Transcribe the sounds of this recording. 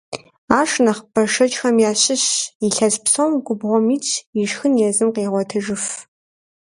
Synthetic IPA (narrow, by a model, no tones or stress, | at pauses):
aːʂnɐχpʰɐʂɐt͡ʃʼxɐmjaːɕɪɕiɬɐɕpsɐwmɡʷʊbʁʷɔmiːt͡ʃʰʼiʃxɨnjɛzɨmqeːʁʷɔtʰɨʒɨf